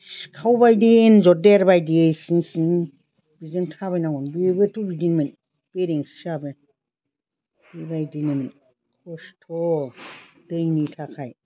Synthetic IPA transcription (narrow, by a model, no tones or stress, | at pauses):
skʰawbajdenzɔdeɾbajdesiŋsiŋ | b̥izentʰaβajnaɡɔnbebetubidinmen | b̥eɾeŋssabe | bibajdinemin | kʰɔstʰɔ | d̥ɯjnitʰakʰaj